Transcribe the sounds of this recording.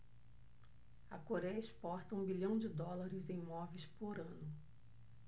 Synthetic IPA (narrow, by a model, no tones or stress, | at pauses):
ɐkoɾɛjɐɪspɔɾt̪ɐũbiʎɐ̃w̃d͡ʒɪd̪ɔlaɾɪzẽj̃mɔvejspoɾɐ̃nʊ